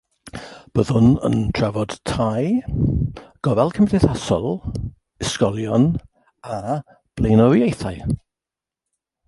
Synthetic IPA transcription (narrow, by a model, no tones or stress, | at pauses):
b̥əðʊnə̰ntʰr̥ɛvɔd̥tʰaj | ɡ̥ɔvɛlˠkʰəmɪdɛθasɔlˠ | ɪskɔlˠjɔn | a | b̥lejnɔwjejθaj